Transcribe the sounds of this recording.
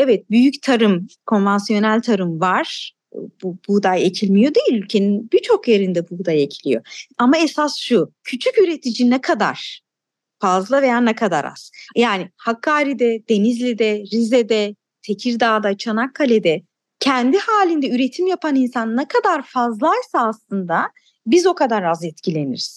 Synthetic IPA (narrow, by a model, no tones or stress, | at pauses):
ɛvɛt̪̚byjyct̪ʰaɾɯmkʰo̞nvansjo̞nælʲt̪ʰaɾɯmvaɾ̥ | bubud̪ajecʰilʲmijo̞d̪ejilʲylʲcʰe̞ninbit͡ʃʰo̞kje̞ɾind̪ɛbud̪ajecʰilʲijo̞amaesasʃucʰyt͡ʃʰycyɾe̞t̪ʰid͡ʒinɛkʰad̪a̰ɾ̥ | fazlˠavejaːnɛkʰad̪a̰ɾa̰z̥jaːnihakʰːaːɾid̪ɛd̪̥e̞nizlʲɛd̪ɛɾizɛd̪ɛ | t̪ʰe̞cʰiɾd̪aːd̪at͡ʃʰanakʰːalʲed̪ɛ | cʰɛnd̪ihaːlʲind̪ɛyɾe̞t̪ʰimjapʰaninsanːɛkʰad̪aɾfazlˠajsaːslˠɯnd̪a | bizo̞kad̪aɾazjɛt̪cilʲe̞nḭɾiz̥